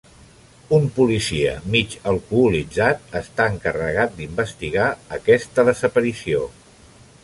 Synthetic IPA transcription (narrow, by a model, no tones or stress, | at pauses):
umpulisiə̰mit͡ʃəlˠkuːlid͡zat̪əst̪aəŋkərəɣ̞at̪̚d̪imbəst̪iɣaəkɛst̪əðəzəpəɾisio